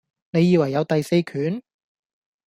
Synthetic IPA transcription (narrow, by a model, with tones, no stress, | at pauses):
ne˨˧jiː˨˧wɐ˨˩jːɐ˨˧wt̪ɐ˨jse˧jkʰyː˨˥n